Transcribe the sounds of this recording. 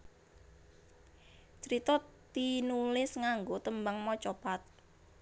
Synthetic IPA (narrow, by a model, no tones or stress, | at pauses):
t͡ʃəɾit̪ɔt̪inulɪsŋaŋɡot̪əmbaŋmɔt͡ʃopat̪̚